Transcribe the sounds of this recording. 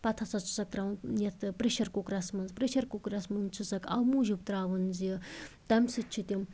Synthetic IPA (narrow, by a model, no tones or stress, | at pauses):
pɐt̪ʰɐt͡sɐt͡sʰu̥sɐk̚t̪ɾɐwnnjɐt̪ʰɨpɾiʃɐɾkukɾɐsmɐnzpɾeʃɐɾkukɾɐsmɐnt͡sʰusɐkʰɐ̰wmuʒup̚t̪ɾaːʋɨnzijət̪ɐmsɨt͡ʃʰit̪ʲim